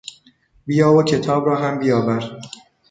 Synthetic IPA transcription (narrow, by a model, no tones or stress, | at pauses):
bijɒːvocʲʰe̞t̪ʰɒːbɾɒːɦæmbijɒːbæɾ